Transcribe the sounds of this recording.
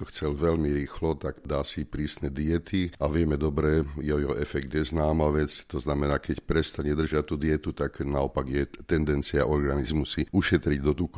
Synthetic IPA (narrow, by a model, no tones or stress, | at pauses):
ɔxt͡sɛlʋɛʎmiɾiːxlɔt̪akd̪aːsipɾiːsnɛd̪iɛt̪iaʋɪɛmɛd̪ɔbɾɛjɛjɛɦɔʔɛfɛkt̪jɛznaːmaʋɛt͡st̪ɔznamɛnaːkɛcpɾɛst̪aɲɛd̪r̩ʒɪat̪ud̪iɛt̪ut̪aknaɔpaɡjɛt̪ɛnd̪ɛnt͡siaʔɔɾɡanizmusiuʃɛt̪ɾiɟd̪ɔt̪uk